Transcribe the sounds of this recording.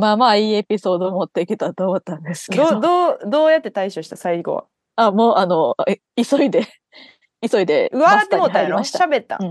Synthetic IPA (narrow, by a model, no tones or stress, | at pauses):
maːmaiːe̞pʲiso̞ːd̪o̞ːmot̪ːe̞ikʲit̪at̪oːmot̪ːãnd̪e̞sɨ̥dkeod̪oːd̪o̞ːjat̪ːe̞t̪aiɕoɕi̥t̪asaiɡo̰βa̰ | amo̞ːʔano̞ | iso̞id̪e̞ | iso̞id̪e̞̰ɯβaat̪ːemot̪ːaimaɕiaɕabe̞t̪ːa̰